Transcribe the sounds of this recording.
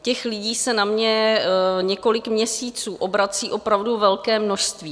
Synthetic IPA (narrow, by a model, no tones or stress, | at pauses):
cɛxlɪɟiːsɛnamɲɛɲɛko̞lɪkmɲɛsiːt͡suːʔo̞bɾat͡siːʔo̞pɾavduvɛlkɛːmno̞ʃst̪viː